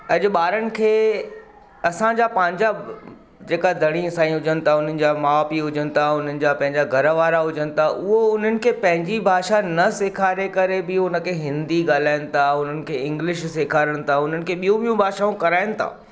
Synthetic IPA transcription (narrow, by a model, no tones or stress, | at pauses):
ɐʄʊ̆ɓaːɾənɪ̆kʰeː | ɐsãd͡ʑapɐ̃ɦɪ̃ɲd͡ʑa | d͡ʑeːkad̪ʱɐɽ̃isãːĩɦʊd͡ʑənɪ̆t̪ʰaʊn̤ənɪ̆d͡ʑamaaːpiɦʊd͡ʑənɪ̆t̪ʰaʊn̤ənɪ̆d͡ʑapɐ̃ɦɪ̃ɲd͡ʑaɡʱɐɾəʋaːɾaɦʊd͡ʑənɪ̆t̪ʰaʔʊɦoʊn̤ənɪ̆kʰeːpɐ̃ɦɪ̃ɲd͡ʑibʱaːʃanɐseːkʰaːɾekɐɾebɪʊnə̆kʰeːɦɪ̃nd̪iɠaːl̤aːɪnɪ̆t̪ʰaʊn̤ənɪ̆kʰeːɪ̃ŋɡlɪʃseːkʰaːɾəɽ̃ɪ̆t̪ʰaʊn̤ənɪ̆kʰeːɓijũɓijũbʱaːʃaũkɐɾaːɪnɪ̆t̪ʰa̰ː